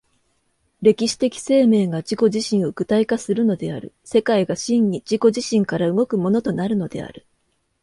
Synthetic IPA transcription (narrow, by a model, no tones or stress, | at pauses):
ɾe̞kʲiɕi̥t̪e̞kʲi̥se̞ːme̞ːɡad͡ʑiko̞ʑiɕĩɰ̃o̞kɯ̟t̪aikasɨɾɯ̟no̞d̪e̞a̰ɾɯ̟̰ | se̞kaiɡaɕĩɲɲid͡ʑiko̞ʑiɕĩŋkaɾaɯ̟ɡo̞kɯ̟mo̞no̞t̪o̞naɾɯ̟no̞d̪e̞̰a̰ɾɯ̟